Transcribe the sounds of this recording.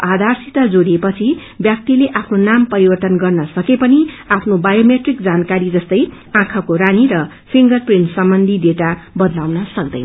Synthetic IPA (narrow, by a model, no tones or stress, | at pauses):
ʔad̪ʱarsit̪ad͡zoɽiepʌt͡sʰi | bjak̚t̪ileʔapʰnonampʌɾibʌrt̪ʌnɡʌrnʌsʌkepʌni | apʰnobajomeʈrik̚d͡zankaɾid͡zʌst̪ʌj | ãkʰʌkoɾaniɾʌ | pʰiŋɡʌrprinʈsʌmbʌnd̪ʱideʈabʌd̪lawnʌsʌk̚d̪ʌ̰jn